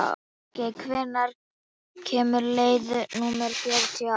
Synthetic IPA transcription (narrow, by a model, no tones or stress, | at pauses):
cekʰvɛːnaɾ̥ | cʰɛːmʏɾleːjðnuːmɛɾfjɛɾt̪ʰi